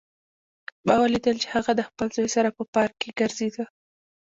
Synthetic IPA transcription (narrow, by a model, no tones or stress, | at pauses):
bɑwalid̪əlt͡ʃe̥haɣad̪əxpəlzojsaɾapəpɑɾkːeɡəɾzed̪ə